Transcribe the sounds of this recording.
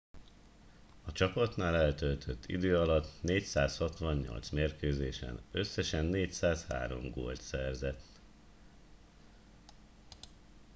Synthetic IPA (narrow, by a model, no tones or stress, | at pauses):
ɒt͡ʃɒpɒt̪naːlɛlt̪ølt̪ʰøt̪ʰːḭd̪øːɒlɒt̪neːcsaːshɒt̪ʋɒɲːo̰lt̪smeːrkøːzeːʃɛ̰nø̞sːɛʃɛnːeːcsaːsha̰ːɾo̞̰mɡo̰ːlt̪sɛrzɛt̪ː